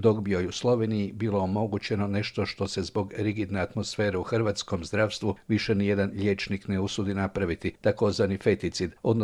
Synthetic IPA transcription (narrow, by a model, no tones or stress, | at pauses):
d̪o̞ɡbiojuslˠo̞ʋe̞nijibiːlo̞omo̞ɡut͡ɕe̞no̞ne̞ʃt̪o̞ʃt̪o̞se̞zbo̞ɡɾiɡid̪neat̪mo̞sfe̞ːɾeuxr̩ʋaːt̪sko̞mzd̪ɾaːʋst̪ʋuʋiʃenije̞d̪anʎʲe̞t͡ʃnikneusud̪inapɾaʋit̪it̪ako̞zʋanife̞t̪it̪sid̪o̞d̪n